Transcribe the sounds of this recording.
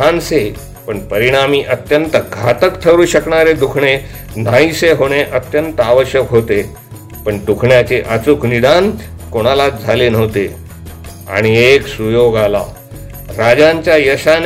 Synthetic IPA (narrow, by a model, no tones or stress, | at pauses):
anse | pəɳpəɾiɽ̃amiːʔət̪jənt̪əɡʱat̪əkt̪ʰəɾuːɕəkɳaɾed̪ukʰɳe | n̤aiseɦoɽ̃eʔət̪jənt̪əaʋəɕjəkɦot̪e | pəɳd̪ukʰɳjat͡seʔət͡sukʰnid̪ankoɽ̃alat̪̚d͡zʱalenəʋt̪e | a̰ɽ̃ieksujoɡala̰ | ɾad͡zãɲt͡ɕjajəɕan